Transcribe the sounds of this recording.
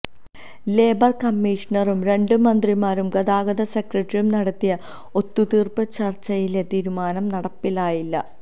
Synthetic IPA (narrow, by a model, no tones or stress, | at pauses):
le̞ːbɐrkɐmːiːʂɐnɐrumɾe̞ɳɖɨmɐnd̪rimaːɾumɡɐðaːɡɐðɐsekrɐʈːɐriumnɐɽɐt̪ːijɐ | o̞t̪ːut̪iːrpɨt͡ɕɐrt͡ɕːɐjilet̪iːɾumaːnɐmnɐɽɐpːilaːjilːɐ̰